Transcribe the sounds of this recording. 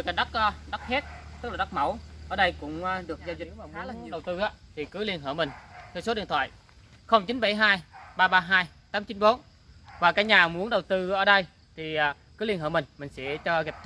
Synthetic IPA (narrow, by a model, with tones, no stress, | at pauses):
ɨ˨˩kaː˨˩ɗa˦˥k̚ːɗk̚he˦˥t̚t̪ɨ˦˥k̚la˨˩a˦˥k̚mə˧˩wʔəː˧˩ɗə˧jkʊ̰˧˥ŋ͡mɗɨ˨˩ək̚zaː˧zɗə˨˩wt̪ɨ˧ʔaː˨˦t̪ʰi˨˩kɨ˨˦li˧ənɦə̰ː˧˩mï˨˩ŋ̟t̪ʰɛ˧wso˨˦ɗḭ˧˨ənt̪ʰwa̰ː˧˨j | xə˧wŋ͡mt͡ɕi˨˦nɓa˧˩jɦaː˧jɓaː˧ɓaː˧ɦaː˧j | t̪aː˨˦mt͡ɕi˨˦nɓo˨˦n | vaː˨˩kaː˨˦k̚ɲaː˨˩mu˨˦ənɗə˨˩wt̪ɨ˧ʔəː˧˩ɗə˧j | t̪ʰi˨˩˨ | kɨ˨˦li˧ənhə̰ː˧˩mï˨˩ŋ̟mï˨˩ŋ̟sɛ̰˧˥t͡ɕɔ˧ɣi˨˩p̚